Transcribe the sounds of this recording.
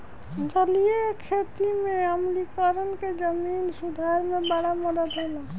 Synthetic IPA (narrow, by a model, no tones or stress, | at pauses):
d͡ʒəlijekʰet̪imeəmlikəɾənked͡ʒəminsud̪ʱaɾmebaɽaməd̪əd̪ɦola